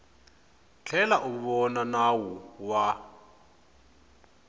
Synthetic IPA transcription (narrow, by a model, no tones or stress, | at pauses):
t͡ɬʰɛlaʔuβɔnanawuwa